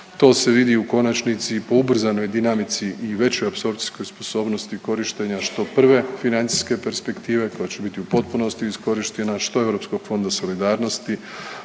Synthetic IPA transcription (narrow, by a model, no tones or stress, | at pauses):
t̪o̞ːse̞ʋid̪iuko̞nat͡ʃnit̪sipo̞ubr̩zano̞jd̪inamit̪siʔiʋe̞t͡ɕo̞japso̞ɾpt̪i̥sko̞jspo̞so̞ːbno̞st̪iko̞ɾiʃt̪e̞ɲaʃt̪o̞pr̩ʋe̞finant̪i̥ske̞pe̞ɾspe̞kt̪iːʋe̞ko̞jet͡ɕe̞bit̪iupo̞t̪̚puno̞st̪iːsko̞ɾiʃt̪e̞naʃt̪o̞e̞ʋɾo̞psko̞ɡ̥fo̞nd̪aso̞lid̪aːɾno̞st̪i